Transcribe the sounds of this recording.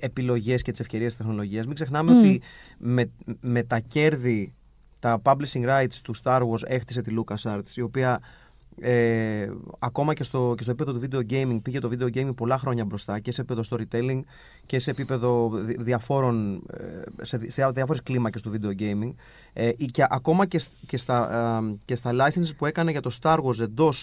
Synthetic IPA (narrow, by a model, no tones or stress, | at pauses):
e̞pilo̞ʝe̞scet̪ise̞fce̞ɾiest̪ist̪exno̞lo̞ʝiɐzmiɡse̞xnɐme̞o̞t̪imeme̞t̪ɐce̞ɾði | t̪ɐpɐblisiŋɡɾɐjt̪st̪ust̪ɐɾɣo̞se̞xt̪i̥se̞t̪ilukɐsɐɾt̪sio̞piɐ | e | ɐko̞mɐce̞st̪o̞cestoipe̞ðot̪uvid̪e̞o̞ɟe̞jmiŋɡpiʝe̞t̪o̞vid̪e̞o̞ɟejmĩŋɡ̚po̞lɐxɾo̞ɲɐbɾo̞st̪ɐce̞sepipe̞ðost̪o̞ɾit̪e̞liŋɡ | cese̞ːpipe̞ðo̞ðiɐfo̞ɾo̞n | sesɐðiɐfo̞ɾe̞sklimɐcest̪uvid̪e̞o̞ɟe̞jmiŋɡ | ceʔɐko̞mɐcesce̞st̪ɐce̞st̪ɐlɐjsensspue̞kɐne̞ʝɐt̪o̞st̪ɐɾɣose̞nd̪o̞s